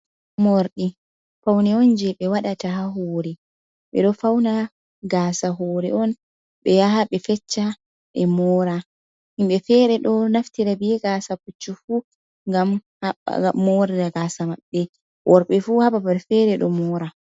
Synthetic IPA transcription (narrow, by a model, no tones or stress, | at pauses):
moɾɗi | fawnɛɔnd͡ʒɛɓɛwaɗatahaɦɔɾɛ | ɓɛ̰ɗɔfawna | ɡaːsaɦɔɾɛɔn | ɓɛjaɦaɓɛfɛt͡ʃːa | ɛmɔːɾa | himɓɛfɛɾɛɗɔnaftiɾabiɛɡasaput͡ʃːufu | ŋɡam | a̰mːɔɾɛdaɡaːsamaɓːɛ | ʔɔɾɓɛfuhababaɾfɛɾɛɗɔmɔɾa